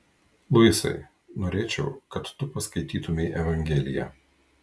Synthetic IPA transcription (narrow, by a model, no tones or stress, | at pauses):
lˠʊɪsɐ̰ɪ | noːɾʲeːt͡ʃʲɛʊkɐt̪ːʊpɐskɐɪt̪ʲiːt̪ʊmʲɛɪʔɛʋɐŋʲɡʲɛlʲɪjɛ̰ː